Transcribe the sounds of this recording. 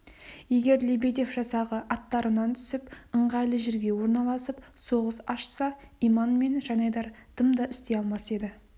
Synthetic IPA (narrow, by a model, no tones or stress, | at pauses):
je̞ɡʲe̞ɾlebed̪e̞fʒɑsɑʁəʔɑt̪ːɑɾənɑnt̪ʰʏ̥sɪpəɴʁɑjlˠəʒɪɾɡʲe̞wo̞ɾnɑlˠɑsəp | so̞ʁəsɑʃsɑijmɑnme̞nʒɑnɑjd̪ɑɾd̪̥əmd̪əʔɪst̪e̞ɑlˠmɑse̞d̪ɪ